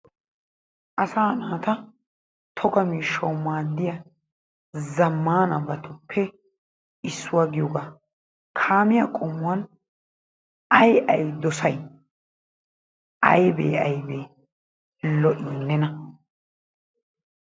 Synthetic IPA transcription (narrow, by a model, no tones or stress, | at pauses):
ʔɐsaːnaːt̪ɐ | t̪ʰɔkɐmiːʃːɐwmaːd̪ːɪjɐ | zɐmːaːnɐbɐt̪ʰʊpʰːɛ | ɪsːʊwaːɡɪjɔɡaː | kʰaːmɪjakʼɔmːʊwɐn | ɐjʔɐjd̪ɔsɐj | ɐ̰jbḛːɐjbeː | lɔʔɪnːɛnɐ